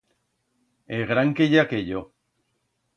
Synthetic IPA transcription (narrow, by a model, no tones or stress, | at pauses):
eɣɾaŋkeʎakeʎo